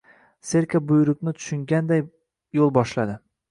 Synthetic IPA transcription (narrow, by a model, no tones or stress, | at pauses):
se̞ɾkʰʲabʊjɾʊkʲnɪt̪ʰʊ̥ʃɪŋɡʲand̪ajː | olˠbɒʃlad̪ɪ